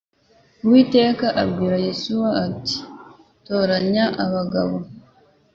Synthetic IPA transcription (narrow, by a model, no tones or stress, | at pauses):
wiːte̞ːkaʔabɡiːɾajesuwaːti̥ | to̞ːɾaɲaʔaβaɡa̰βo̞